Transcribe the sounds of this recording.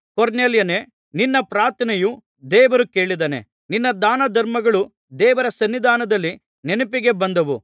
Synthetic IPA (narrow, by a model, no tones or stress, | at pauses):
koɾneːljɐneː | ninːɐpɾaːɾt̪ɐnɐju | d̪ɛːʋɐɾuke̞ːɭid̪ɐnḛ | ninːɐd̪aːnɐd̪ʱɐɾmɐɡɐɭu | d̪ɛːʋɐɾɐsɐnːid̪ʱaːnɐd̪ɐlːi | nenupiɡe̞bɐnd̪ɐʋu